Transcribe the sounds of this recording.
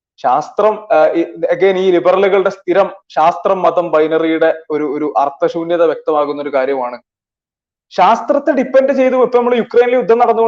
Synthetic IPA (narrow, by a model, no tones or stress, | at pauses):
ɕaːst̪rɐm | ɐɡe̞ːniːlibɐrɐluɣɐɭɨɽe̞st̪ʰiɾɐmɕaːst̪rɐmːɐðɐmbɐjnɐrijuɽe̞o̞ɾuoɾuʔɐrt̪ːɐɕuːnjɐðɐʋjek̚t̪ɐmaːɣunːo̞ɾukaːɾjɐmaːɳɨ | ɕaːst̪rɐt̪ːeɖipːe̞nɖɨt͡ɕe̞jt̪̬umipːɐːnɐmːɐɭjukrejnileud̪ʱːɐmnɐɽɐnːuo